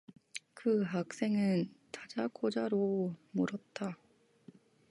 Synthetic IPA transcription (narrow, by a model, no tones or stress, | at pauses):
kɯɦak̚s͈e̞ŋɯntad͡ʑak͈ʰod͡ʑaɾomuɾʌt̚t͈a